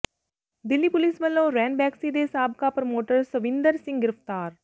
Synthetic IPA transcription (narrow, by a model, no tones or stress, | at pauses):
d̪ɪlːipʊlisʋəlːõːɾɛ̃ːɳɖbɛːksid̪esaːb̚kapɾɐmoːʈəɾsəʋɪ̃nd̪əɾsɪ̃ŋɡɡɪɾəft̪aːɾ